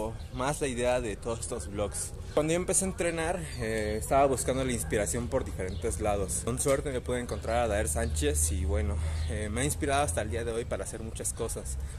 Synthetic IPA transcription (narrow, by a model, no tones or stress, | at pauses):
mazlaiðe̞aðe̞t̪o̞ðose̥st̪ozβlo̞ks | kwand̪ooempe̞seaent̪ɾe̞naɾ | eːst̪aβaβuskand̪o̞lainspiɾasjo̞mpo̞ɾðife̞ɾe̞nt̪ezlað̞o̞sko̞nswe̞ɾt̪emepweðoeŋko̞nt̪ɾaɾaðaeɾsant͡ʃe̞siβwe̞no̞emeainspiɾaðoast̪aeld̪iaðe̞o̞jpaɾaːse̞ɾmut͡ʃasko̞sas